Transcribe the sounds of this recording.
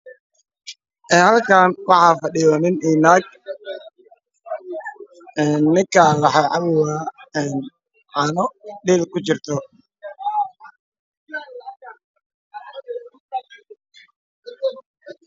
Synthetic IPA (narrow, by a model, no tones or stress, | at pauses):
ʔɛːhɐlkʰaːnwɑħɑːfɑɗɪjɔnɪniːnaːɡ̚ | ɛːnːɪŋkʰalɐħɑjʕɑβʊwaɛːn | ʕɑːnɔɖiːlkʊt͡ʃɪrt̪ʰɔ